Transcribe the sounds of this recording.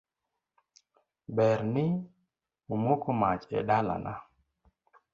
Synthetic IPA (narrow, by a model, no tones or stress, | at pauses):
bɛɾnɪ | omokomat͡ʃɛ̰dala̰na